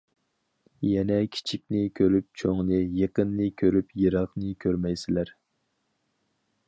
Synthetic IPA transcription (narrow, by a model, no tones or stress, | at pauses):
jɛnɛkʲʰi̥t͡ʃʰikʲnɪkʲʰøɾyp̚t͡ʃʰoŋnɨjeqənːɨkʲʰøɾypjɨɾɑχnɨkʲʰøɾmɛjsɪlæɾ